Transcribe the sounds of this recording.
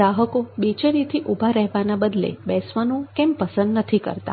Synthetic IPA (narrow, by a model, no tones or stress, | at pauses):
aɦəkobet͡ʃenit̪ʰiʔubʱaɾɛɦʋanabəd̪lḛbɛsʋənũkɛ̃mpəsənd̪nət̪ʰikə̰ɾt̪a̰